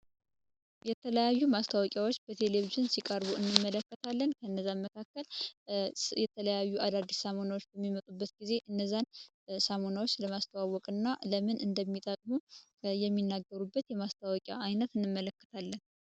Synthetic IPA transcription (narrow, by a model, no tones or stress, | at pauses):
jɛt̪ʰələjajːumast̪ʰawɔkʼjawo̞t͡ʃːb̥ət̪ʰe̞le̞viʒɨnsikʼəɾβuɨnːɨmːələkːət̪ʰalːənkʰəɨnːəzːaməkʰakːəl | jɛt̪ʰələjajːuad̪ad̪ːisamo̞nawot͡ʃːbəmːimət̪ʼubːət̪ɡize̞ʔɨnːəzːan | samo̞nawot͡ʃːləmast̪ʰəwawːɔkʼɨnːaləmɨnʔɨnd̪əmːit̪ʼəkʼmu | jɛmːinːaɡːəɾubːət̪jɛmast̪ʰawɔkʼja̰ajnət̪ɨnːɨmːələkːə̥t̪ʰalːən